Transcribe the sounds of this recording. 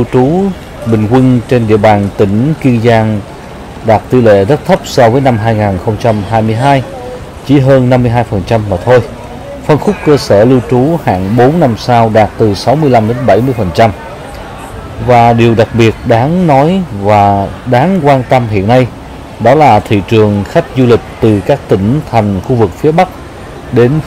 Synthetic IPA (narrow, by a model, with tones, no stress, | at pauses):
wt͡ɕu˨˦ | ɓï˨˩ŋ̟ki˧nt͡ɕe˧nɗḭ˧əɓaː˨˩nt̪ï˧˩ŋ̟ki˧ənzaː˧ŋ | ɗaː˨˩t̚t̪i˧lḛ˧˨zə˦˥k̚t̪ʰə˦˥p̚sɔ˧vəː˨˦jna˧mɦaː˧jŋaː˨˩nxə˧wŋ͡mt͡ɕa˧mɦaː˧jmɨ˧əjɦaː˧j | t͡ɕi˨˧˩ɦəː˧nːa˧mːɨ˧əjɦaː˧jfə˨˩nt͡ɕa˧mːaː˨˩t̪ʰo˧j | fə˧nxʊ˦˥k͡pkəː˧səː˧˩li˧wt͡ɕu˨˦ha̰ː˧˨ŋɓo˨˦nːa˧msaː˧wɗaː˨˩t̚t̪ɨ˨˩sa˨˦wmɨ˧əla˧mɗe˨˦nɓa˧˩jmɨ˧əjfə˨˩nt͡ɕa˧m | vaː˨˩ɗi˨˩əwɗa˨˩k̚ɓi˨˩ət̚ɗaː˨˦ŋnɔ˨˦jvaː˨˩ɗaː˨˦ŋkwaː˧nt̪ə˧mɦḭ˧˨ənːa˧j | ɗɔ˨˦laː˨˩t̪ʰḭ˧˨t͡ɕɨ˨˩əŋxa˦˥jk̟̚zu˧lï˨˩k̟̚t̪ɨ˨˩kaː˦˥k̚t̪ï˧˩ŋ̟t̪ʰa˨˩jŋ̟xu˧vɨ˨˩k̚fi˨˦əɓa˦˥k̚ | ɗe˨˦n